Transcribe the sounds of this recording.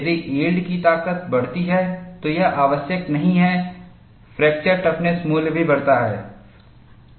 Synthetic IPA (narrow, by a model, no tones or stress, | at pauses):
d̪iʔeːɖkit̪aːkət̪̚bɐɽt̪iɦɛt̪ojɐʔaːʋəsjəknɐɦĩɦɛ | fɾɛːk̚t͡ʃəɾʈɐpnesmuːlbʱibɐɽt̪aɦɛ̰ː